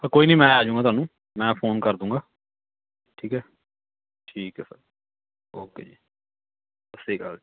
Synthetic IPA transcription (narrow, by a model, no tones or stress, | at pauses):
pəɾkoːiːnəĩːmɛ̃ːaːd͡ʒũːŋɡaːt̪ʊwaːnũː | mɛ̃ːpʰoːnkəɾd̪ũːŋɡaː | ʈʰiːkɛː | ʈʰiːkɛːsəɾ | oːkḛːd͡ʒiː | əseːkə̰l